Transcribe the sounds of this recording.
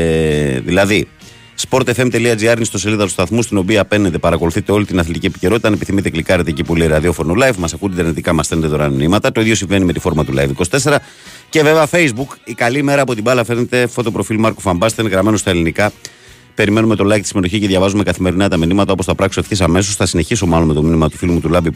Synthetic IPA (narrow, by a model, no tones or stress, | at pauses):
ðilɐði | spo̞ɾt̪efemt̪e̞liɐd͡ziɐɾnist̪o̞seliðɐt̪u̥st̪ɐθmust̪ino̞piɐpe̞nːet̪e̞pɐɾɐko̞luθit̪e̞o̞lit̪inɐθlit̪icie̞pi̥ce̞ɾo̞t̪it̪ɐnepiθimit̪e̞klikɐɾnet̪ecipuoliɾɐðio̞foɾnolɐjvmɐsɐkund̪d̪eɾnit̪ikɐmɐsfenet̪et̪oɾɐminimɐt̪ɐt̪oiðʝo̞siɱve̞nimet̪ifo̞ɾmɐt̪ulɐ̰jfiko̞st̪e̞se̞ɾɐ | ce̞ve̞veɐfe̞jzbukikɐlime̞ɾɐːpo̞t̪̬ibɐlɐfɾne̞t̪e̞fo̞t̪o̞pɾo̞filmɐɾkofɐmbɐst̪enɣɾɐme̞nost̪ɐelinikɐ | pe̞ɾime̞nume̞t̪o̞lɐikt̪isime̞t̪o̞çiceðʝɐvɐzume̞kɐθime̞ɾinɐt̪ɐminimɐt̪ɐopost̪ɐpɾɐksot̪çisɐme̞s̬o̞sθɐsine̞çis̬omɐlome̞t̪o̞minimɐt̪u̥filumut̪ulɐbi